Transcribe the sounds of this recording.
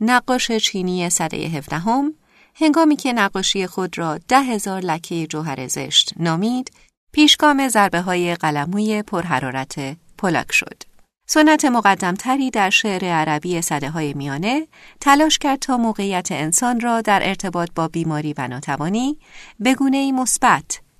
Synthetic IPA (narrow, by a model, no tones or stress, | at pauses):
næɢːɒːʃe̞t͡ʃʰiːniːje̞sæd̪ḛjḛɦe̞fd̪æɦo̞m | he̞ŋɡɒːmiːcʰe̞næɢːɒːʃije̞xo̞d̪ɾɒːd̪̥æɦe̞zɒːɾlæcʰːe̞je̞d͡ʒoɦæɾʔe̞̰ze̞̰ʃt̪nɒːmiːd̪̥ | pʰiːʃɡ̥ɒːme̞zæɾbe̞ɦɒːje̞ɢælæmuːje̞pʰoɾɦæɾɒːɾæt̪ʰe | pʰolɒ̰ːcʰʃo̞̰d̪̥ | so̞nːæt̪ʰe̞moɣæd̪ːæmt̪ʰæɾiːd̪æɾʃeʔɾe̞æɾæbiːe̞sæd̪eɦɒːjemijɒːne̞t̪ʰælɒːʃcæɾd̪̚t̪ʰɒːmoːɣe̞ijæt̪ʰe̞ːnsɒːnrɒːd̪æɾʔe̞ɾt̪ʰe̞bɒːt̪̚ʰbɒːbiːmɒːɾiːvæ̰nɒːt̪ʰævɒːniːbe̞ɡuːne̞iːmo̞sb̥æt̪ʰ